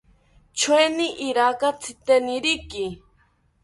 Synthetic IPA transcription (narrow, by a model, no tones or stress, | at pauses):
t͡ʃʰweniʔiɾakat͡sʰit̪eniɾiki